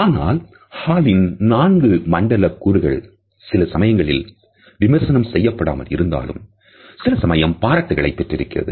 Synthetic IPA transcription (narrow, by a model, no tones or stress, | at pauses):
aːna̰ːl | haːlɪnnaːnɡɯmɐɳɖɐlɐkːuːɾɯɣɐ̰ɭ | sɪlɐsɐmɐjɐŋɡɐɭɪl | ʋɪmɐɾsɐnɐmsɛjːɐpːɐɽa̰ːmɐ̰lɪ̰ɾɯnd̪a̰ːlɯ̰m | sɪlɐsɐmɐjɐmpaːɾɐʈːɐɣɐɭɐɪpːɛʈrɪɾɯkːɪrɐ̰ðɯ̰